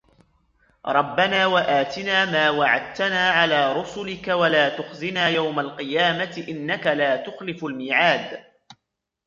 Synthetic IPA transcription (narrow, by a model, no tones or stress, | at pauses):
ɾˤɑbːanaːwaʔaːt̪ɪnaːmaːwaʕa̰d̪̚t̪anaːʕalaːɾˤʊsʊlɪkawalaːt̪ʊxzɪnaːjawmalqɨjaːmat̪ɪʔɪnːakalaːt̪ʊxlɪfalmɪːʕaːd̪